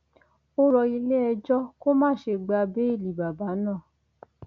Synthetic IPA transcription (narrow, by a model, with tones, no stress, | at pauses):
o˦ɾɔ˧i˧le˦ɛ˧d͡ʒɔ˦ko˦mãː˦˨ʃe˧ɡ͡ba˧be˨˦i˦˨li˨ba˨ba˨˦nãː˦˨